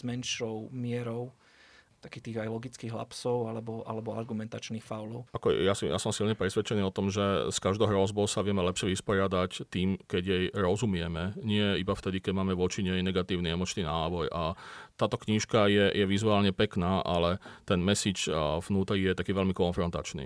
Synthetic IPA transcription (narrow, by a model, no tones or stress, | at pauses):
z̥mɛnʃɔʊmɪɛɾɔʊ | t̪akiːxt̪iːɣajlɔɡit͡skiːɣɦla̰psɔʊalɛbɔʔa̰lɛbɔaɾɡumɛnt̪at͡ʃniːxfaʊlɔʊakɔjasḭja̰sɔmsilɲɛpɾɛsʋɛt͡ʃɛniːɔt̪ɔmʒɛskaʒd̪ɔʊɦɾɔzbɔʊsaʋɪɛmɛlɛpʃɪɛʋispɔɾɪad̪act̪iːmkɛɟjɛjɾɔzumɪɛmɛɲɪɛibaft̪ɛd̪ikɛɟmaːmɛʋɔt͡ʃiɲɛjɛnɛɡat̪iːʊniɛmɔt͡ʃniːnaːbɔjʔat̪aːt̪ɔkɲiʃkajɛjɛʋizuaːlɲɛpɛknaːʔalɛt̪ɛnmɛsiːt͡ʃvnuːt̪ɾiɣjɛt̪akiːʋɛlmikɔnfɾɔnt̪a̰t͡ʃnḭː